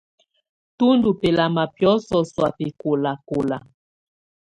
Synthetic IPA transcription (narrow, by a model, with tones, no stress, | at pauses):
tu˦ndu˨pɛ˨la˨ma˨pjɔ˦sɔ˨swa˨pe˨ko˨la˨ko˨la˨